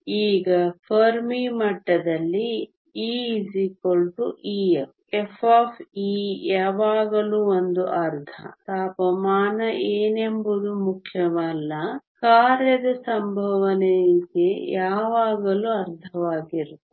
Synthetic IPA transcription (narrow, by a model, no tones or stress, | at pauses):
iːɡɐpʰɐɾmimɐʈːɐd̪ɐlːi | iːzikolʈuʔiːep | efʰaːpʰiːjaːʋaːɡɐluːond̪uʔɐɾd̪ʱɐ̰t̪aːpɐmaːnɐʔeːnembud̪umukʰjɐmɐlːɐkaːɾjɐd̪ɐsɐmbʱɐʋɐnejikejaːʋaːɡɐluɐɾd̪ʱɐʋaːɡiɾut̪ːe̥